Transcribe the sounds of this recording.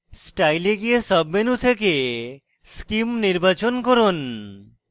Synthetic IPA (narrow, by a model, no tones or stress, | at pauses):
sʈajleɡiesɔbːenut̪ʰeke | skimniɾbat͡ʃonkoɾon